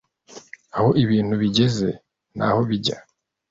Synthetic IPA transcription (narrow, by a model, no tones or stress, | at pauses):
aho̞ʔiβiːn̥huβiɟe̞ze̞̰ | nʔa̰ho̞βiɟa